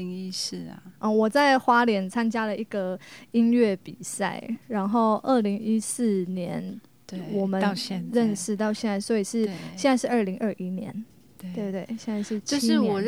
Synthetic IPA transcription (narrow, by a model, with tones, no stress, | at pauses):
ŋi˥˧s̩˥˩ʔɔ˥˧˩wɔ˨˩t͡sa˥˩ɪxwa˥ljɛ˨˥nt͡sʰa˦nt͡ɕja˥lə˨ʔi˥˩ɡ̥ə˩i˦˥nɥɛ˥˩pi˨˩sa̰˥˩ɪɻa˧˥nxo˥˧ʊʔə˥˩li˧˥ŋi˥s̩˥˩njɛ˧˦n | wɔ˨˩mə˦˧ɻə˥˧nʂɻ̩˨˧˦t̪̬ɑ˥˧ʊɕjɛ˥˧nt͡sa˥˩ɪswɔ˧˥i˨˩ʂɻ̩˥˩ɕjɛ˥˧nt͡sa˥ɪʂɻ̩˥˧ə˞˥˩li˧˥ŋʔə˥˧ʔi˦˥njɛ̰˧˦n | e˥˧t̪we˥˩ɪɕjɛ˥˧nt͡sa˥˧ɪʂɻ̩˥˧t͡ɕo˥˧ʂ̩˥˨wɔ˨˩